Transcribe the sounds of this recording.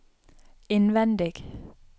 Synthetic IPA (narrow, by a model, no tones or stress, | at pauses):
enʋɛnd̪ɪɡ̥